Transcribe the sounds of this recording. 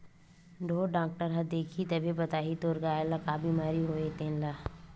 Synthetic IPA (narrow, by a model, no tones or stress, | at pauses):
ɖʱoːɖaːk̚ʈəɾɦɐd̪eːkʰit̪ɐbʱibɐt̪aːɦit̪oːɾɡaːelakaːbiːmaːɾiɦoːet̪ẽːnlaː